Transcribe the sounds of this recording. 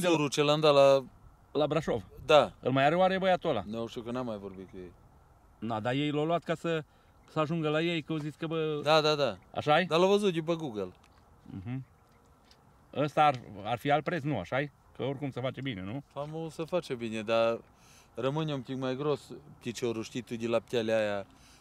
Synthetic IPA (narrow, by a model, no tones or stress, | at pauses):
eɾut͡ʃeland̪ala | labɾaʃo̞vd̪aɨ̰lmajaɾeoaɾebəjat̪ola̰nooʃt̪iukənamːajvorbit̪̚kujej | d̪ad̪aje̞jlowlwat̪kasə | səaʒuŋɡəlajejkəozitsʲkəbəd̪ad̪ad̪aa̰ʃajed̪alavəzut̪̚d̪ʲip̬əɡuɡəl | m̩ɦ̩ | əst̪ararfialpɾesnua̰ʃaje | kəo̞rʲkumsəfat͡ʃebine̞nufamosəfat͡ʃebined̪a | rəmɨnʲeumpt̪ikmajɡɾost̪it͡ʃoɾuʃt̪it̪ud̪ilap̚t̪ʲaleaja